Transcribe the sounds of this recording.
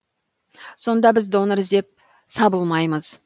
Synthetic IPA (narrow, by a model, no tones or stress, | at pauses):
so̞nd̪ɑbɪzd̪o̞nəɾzd̪e̞p̚ | sɑbəlˠmɑjməz̥